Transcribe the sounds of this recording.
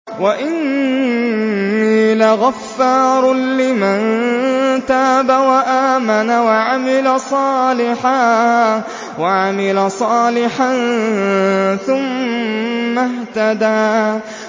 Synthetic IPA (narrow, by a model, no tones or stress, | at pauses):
waʔɪn | mɪlaɣafːɑɾˤlɪman | t̪aːbawaʔaːmanawaʕamɪlasˤɑːlɪħa | waʕamɪlasˤɑːlɪħan | θʊmː | aht̪ad̪aː